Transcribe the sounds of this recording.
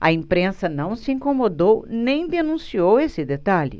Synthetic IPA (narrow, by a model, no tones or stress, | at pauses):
ɐ̰ẽmpɾẽsɐnɐ̃w̃sɪĩŋkomod̪ownẽj̃d̪enũsiowesɪd̪et̪aʎɪ̰